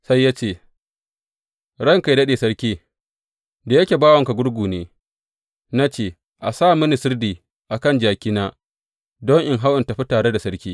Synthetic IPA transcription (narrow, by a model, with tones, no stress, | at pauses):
sa˦jːaː˦t͡ʃeː˦˨ | ɽɐ˦ŋka˨jdɐ˦ɗeː˨sɐ˦ɽkʲiː˦ | da˨jɐ˦kʲeː˨baː˦wɐ˨ŋka˨ɡʷʊ˦ɽɡʷuː˨neː˦ | na˦t͡ʃeː˦˨ | ʔa˨saː˦˨mʊ˦ni˨sɪ˦rdiː˨ | ʔa˨kɐ˦˨nd͡ʒaː˨kʲɪ˦naː˦ | dɔ˦ŋʔɪ˨ŋɦa˦wʔɪ˨ntɐ˨ɸi˦taː˨ɽe˦da˨sɐ˦ɽkʲiː˦